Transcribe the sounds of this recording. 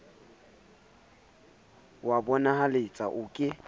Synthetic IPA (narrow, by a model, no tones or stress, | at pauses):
wabɔnahalet͡sʼa̰ʔʊkʼɪ